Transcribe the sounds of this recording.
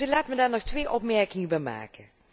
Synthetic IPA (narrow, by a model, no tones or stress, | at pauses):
əlaːtmədaːrnɔxtʋeːʔɔpmɛrkɪŋəbɛjma̰ːkə